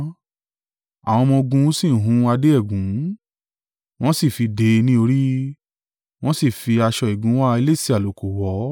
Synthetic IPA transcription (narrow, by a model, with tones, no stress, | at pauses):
a̰˨w̃ɔ̃˧mɔ̃˧ɡũ˧˦si˦˨ɦũ˨˦a˧de˦ɛ˦˨ɡũ˨˦ | w̃ɔ̃˦si˦˨fi˧de˧nĩ˦o˧ɾi˦ | w̃ɔ̃˦si˦˨fi˧a˧ʃɔ˧i˨ɡũ˨˦wa˦˧i˧le˦˨si˦˨a˨lo˨ko˨wɔ˨˦